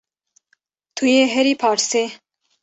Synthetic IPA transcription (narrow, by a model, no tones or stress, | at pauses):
t̪ʰujeːɦɛɾiːpʰɑːɾseː